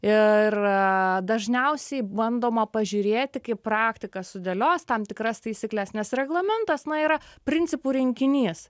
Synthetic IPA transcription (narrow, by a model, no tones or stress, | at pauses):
ɪrd̪ɐʒʲnʲɛʊsʲɛɪbɐnd̪oːmɐpɐʒʲʊɾʲeːt̪ʲɪkɐɪprɑːkt̪ʲɪkɐsʊd̪ʲɛːlʲoːst̪ɐmt̪ʲɪkɾɐst̪ɐɪsʲɪklʲɛsnʲɛsɾʲɛɡlˠɐmʲɛnt̪ɐsnɐiːɾɐpʲɾʲɪnʲtt͡s̪ʲɪpuːɾʲɪŋʲkʲɪnʲiːs